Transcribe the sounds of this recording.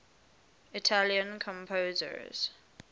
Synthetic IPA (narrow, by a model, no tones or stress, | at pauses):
itʰaljə̃nkʰɔ̃mpʰoːzə̰z̥